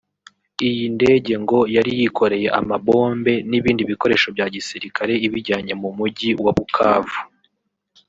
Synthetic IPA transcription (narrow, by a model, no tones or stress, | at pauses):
ijinde̞ːɟe̞ŋɡo̞jaɾijikʰo̞ɾe̞je̞ʔa̰mabo̞ːmbe̞niβiːndiβiko̞ɾe̞ːʃo̞bɟaːɟisiɾikʰaɾe̞iβiɾɟaːɲe̞mumuɟiwaβukʰaːvu